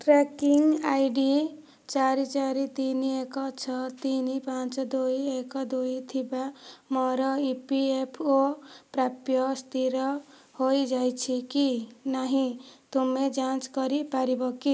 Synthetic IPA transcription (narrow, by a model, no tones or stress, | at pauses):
ʈɾekiŋɡajɖi | t͡ʃaɾit͡ʃaɾit̪iniekɔt͡ʃʰɔt̪inipãt͡ʃɔd̪oiekɔd̪uit̪ʰibamɔɾɔipiepʰopɾapjɔst̪ʰiɾɔ | hojd͡ʒajt͡ʃʰikinaɦĩt̪umed͡ʒãt͡ʃkɔɾipaɾibɔki